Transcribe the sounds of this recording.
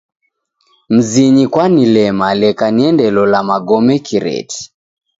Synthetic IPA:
m̩ziɲikwanilɛmalɛkaniɛndɛlɔlamaɡɔmɛkiɾɛ̰ti̥

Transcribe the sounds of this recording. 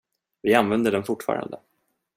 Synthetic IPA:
vɪanvɛnd̪əɖɛnfʊʈfɑ̰ːɾa̰nd̪ə

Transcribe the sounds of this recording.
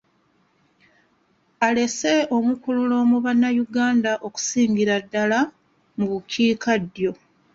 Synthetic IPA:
ale̞se̞ʔo̞mukululo̞ːmuβanːajuɡaːndaʔo̞ku̥siːɲɡiɾadːala | muβuciːkʰadːjo̞

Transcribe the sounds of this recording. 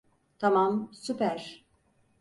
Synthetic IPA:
t̪ʰamamsupæɾ̥

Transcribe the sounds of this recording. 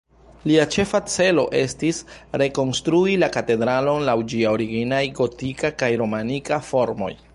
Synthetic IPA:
liat͡ʃe̞fat͡se̞lo̞̰ʔe̞stisɾe̞ko̞nstɾuilakate̞dɾalo̞nlawd͡ʒiaoɾiɡinajɡo̞tikakajɾo̞manikafo̞ɾmo̞̰j

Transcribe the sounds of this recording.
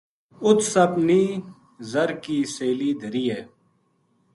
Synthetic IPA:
ʊt̪səbniː | zəɾkiːseːliːd̪ʱəɾiːɛː

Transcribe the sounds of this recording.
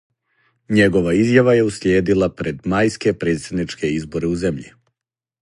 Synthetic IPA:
ɲe̞ɡo̞ʋaizjaʋaje̞usljeːd̪ilˠapɾe̞d̪majske̞pɾe̞ːt̪sed̪nit͡ʃke̞izbo̞ɾeuze̞mʎḭ

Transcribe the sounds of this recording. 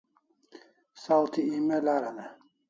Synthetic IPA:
salt̪ʰiimɛlaɾanɛ

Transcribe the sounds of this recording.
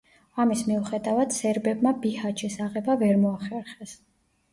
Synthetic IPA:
amismiuχɛd̪avad̪̥sɛɾbɛbmabihat͡ʃʰisaʁɛbavɛɾmɔaχɛɾχɛs

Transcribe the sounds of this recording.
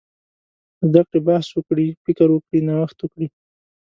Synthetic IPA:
zd̪akɽebahswəkɽifɪkəɾwəkɽinawaxt̪wəkɽi

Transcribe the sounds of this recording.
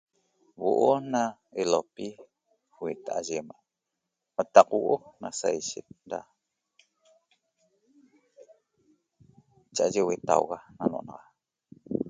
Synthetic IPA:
woʔonaelopi | wet̪aʔaʒemaʔ | at̪ɑqwoʔonasajʃet̪̚da̰ | t͡ʃaʔʒewet̪a̰wɣananoʔnɑʁɑ

